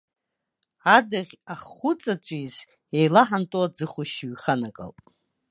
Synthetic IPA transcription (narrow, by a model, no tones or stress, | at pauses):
adɨʁʲaχːʊt͡sʼat͡ɕʷʰʼiz | ejlaħantʼuad͡zɨχʊʃɥχanakʼə̰ltʼ